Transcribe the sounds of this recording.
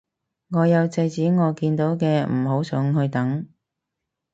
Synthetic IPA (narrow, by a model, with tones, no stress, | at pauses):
ŋɔː˨˧jɐ˨˧wt͡sɐ˧jt͡siː˨˥ŋɔː˨˧kiː˧nt̪o˨˥wkɛː˧m̩˨˩ɦo˨˥wsœː˨˧˥ŋhɵ˧ɥt̪ɐ˨˥ŋ